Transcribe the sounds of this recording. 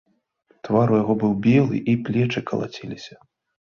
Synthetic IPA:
t̪vaɾujaɣɔbɨwbʲɛlˠɨ̰ʔiplʲɛt͡ʂɨkɐlˠa̰t͡sʲɛlʲisʲɐ̥

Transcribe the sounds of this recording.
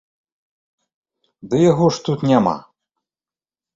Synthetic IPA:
d̪ɨjaɣɔʂt̪ut̪nʲama̰

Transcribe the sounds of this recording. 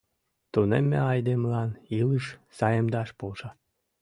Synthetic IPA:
t̪unḛmʲːḛɑjd̪emlɑnilɯʃsɑjemd̪ɑʃpolʃɑ

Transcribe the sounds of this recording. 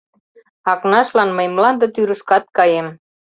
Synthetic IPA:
ɑknɑʃlɑnməjmlɑnd̪ə̆t̪yɾəʃkɑt̪̚kɑjem

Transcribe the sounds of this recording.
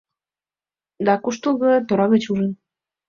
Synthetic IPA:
d̪ɑkuʃt̪ulɣɤ̆t̪oɾɑɣĕt͡ɕuʒə̆n

